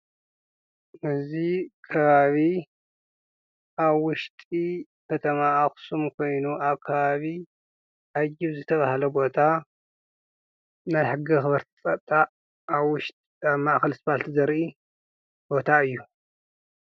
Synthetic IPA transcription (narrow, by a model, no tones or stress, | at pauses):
ʔɨzikʰɐβaβi | ʔaβwʊʃt̪ʼi | kʰɐt̪ʰɐmaaxsumkʰo̞jnuʔaβkʰɐβaβi | ʔajiβzɨt̪ʰɐβahlɐbo̞t̪ʰa | najħɨɡɨxɨβɐɾt̪ʰt͡sʼɐt̪ʼːaː | βʊʃt̪ʼ | aβmaʔxɐlsbalt̪ʰizɐɾʔi | b̥o̞t̪ʰaɨjːu